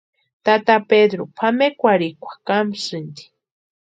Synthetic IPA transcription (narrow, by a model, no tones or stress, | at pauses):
t̪at̪aped̪ɾopʰamekʷaɾikʷḁkamsɨnd̪i̥